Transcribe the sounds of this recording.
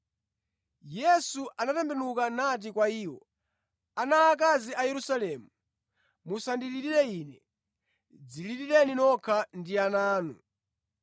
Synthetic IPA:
jɛsuʔanatɛmbɛnukanat̬ikwaiːwɔ | anaːk̬aziajɛɾusalɛmu | musandiliɾiɾɛiːnɛ | d͡ziliɾiɾɛninɔkʰandianaːnu

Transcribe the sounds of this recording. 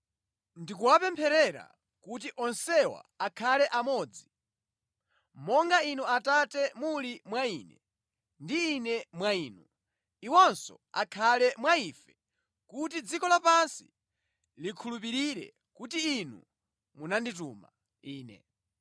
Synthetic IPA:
ndikuwapɛmpʰɛɾɛɾa̰ | kutiʔɔnsɛwa̰akʰalɛʔamɔːd͡zi | mɔŋɡainuatatɛmulimwainɛ | ndiːnɛmwaiːnu | iwɔnsɔ̰ | a̰kʰalɛmwaifɛ | kutid͡zikɔlapansḭ | likʰulup̬iɾiɾɛ̰ | kutiːnṵ | munandit̬uma̰ | iːnɛ̰

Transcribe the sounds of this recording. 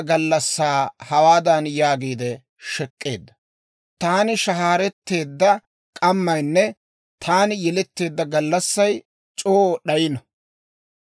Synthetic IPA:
ɡɐlːɐsːaːhɐwaːd̪ɐnjaːɡiːd̪ɛ | ʃɛkʼːe̞̰ːd̪ːɐ̥ | t̪aːnɪʃɐɦaːɾɛt̪ːe̞ːd̪ːɐ | kʼɐmːɐjnːɛ | t̪ʰaːnɪjɛlɛt̪ːe̞ːd̪ːɐɡɐlːɐsːɐj | t͡ʃʼoːɗɐjɪnɐ

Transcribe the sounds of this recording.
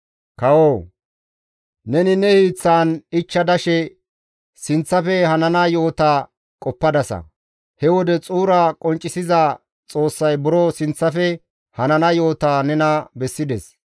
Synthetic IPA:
kɐwoː | nɛnɪnɛhiːt͡sːaːnɪt͡ʃːɐd̪ɐʃɛ | sɪnt͡sːɐfɛhɐnɐnajo̞ːt̪aː | kʼɔpːɐd̪ɐsɐ̰ | hɛwɔd̪ɛt͡sʼuːɾakʼɔnt͡ʃʼːɪsɪza | t͡sʼo̞ːsːɐjbʊɾɔsɪnt͡sːɐfɛ | hɐnɐnajo̞ːt̪aːnɛnɐbɛsːɪd̪ɛs

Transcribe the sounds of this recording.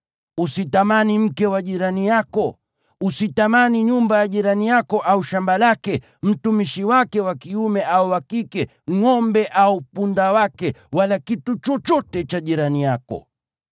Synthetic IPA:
usitamanim̩kɛwaʄiɾanijakɔ | usitamaniɲumbajaʄiɾanijakɔʔauʃambalakɛ | m̩tumiʃiwakɛwakiumɛʔauwakikɛ | ŋɔmbɛʔaupundawakɛwalakitut͡ʃɔt͡ʃɔtɛt͡ʃaʄiɾanijakɔ̰

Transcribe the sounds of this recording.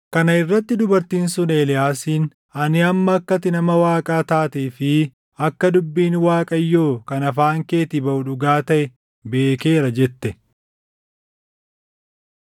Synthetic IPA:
kɐnɐɪrːɐt̪ːɪd̪ʊbɐɾt̪iːnsʊneːlɪjaːsiːn | ɐnɪɐmːɐːkːɐt̪ɪnɐmɐwaːkʼaːt̪aːt̪eːfɪ | ɐkːɐd̪ʊbːiːnwaːkʼɐjːoːkɐnɐfaːŋke̞ːt̪ɪbɐʔʊᶑʊɡaːt̪ɐʔɛ | be̞ːke̞ːɾɐd͡ʒɛt̪ːɛ

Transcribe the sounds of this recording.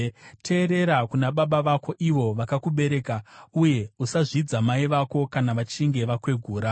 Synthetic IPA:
tʰe̞ːɾe̞ɾakunaɓaɓaʋako̞ʔiʋo̞ʋakakuɓe̞ɾe̞ːkauje̞usaʐid͡zamaiʋako̞kanaʋat͡ʃiŋɡe̞ʋakwe̞ɡʱuːɾa

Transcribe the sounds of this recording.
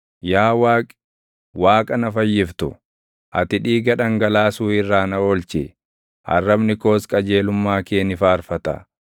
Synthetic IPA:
jaːwaːkʼ | waːkʼɐnɐfɐjːɪft̪ʊ̰ | ʔɐ̰t̪ɪᶑiːɡɐᶑɐŋɡɐlaːsuːɪrːaːnɐoːlt͡ʃɪ | hɐ̰rːɐbnɪko̞ːskʼɐd͡ʒe̞ːlʊmːaːkeːnɪfaːɾfɐt̪ɐ̰

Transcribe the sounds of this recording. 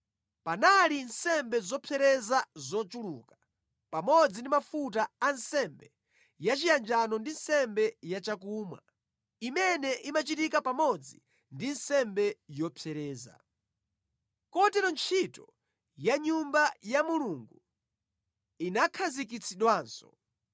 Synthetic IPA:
panalinsɛmbɛzɔpʰɛɾɛzazɔt͡ʃulukḁ | pamɔd͡zindimafutaːnsɛmbɛ | jat͡ʃijand͡ʒanɔndin̩sɛmbɛjat͡ʃakuːmwa̰ | imɛnɛʔimat͡ʃitikapamɔd͡zi | ndinsɛmbɛjɔpʰɛɾɛːza̰ | kɔtɛɾɔnt͡ʃʰitɔ | jaɲumbajamuluŋɡu | inakʰazik̬it͡sʰiɗwaːnsɔ̥̰

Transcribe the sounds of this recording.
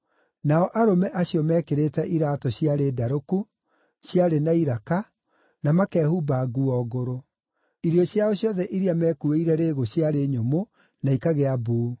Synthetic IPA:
naɔʔaɾomɛʔaɕiɔmɛːkeɾetɛʔiɾatɔɕjaɾedaɾoku | ɕjaɾenaiɾaka | namakɛːhubaːɣuɔɣoɾo | iɾiɔɕjaɔɕjɔðɛʔiɾiamɛːkueiɾɛɾeːɣoɕjaɾeɲomo | naikaɣeabuː

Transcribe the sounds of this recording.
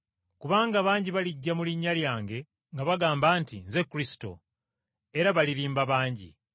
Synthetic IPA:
kuβaːŋɡaβaːɲɟiβaliɟːamuliɲːaljaːŋɡe̞ | ŋɡaβaɡaːmbaːntinze̞kːuɾisi̥to̰ | e̞ɾaβaliɾiːmbaβaːɲɟḭ

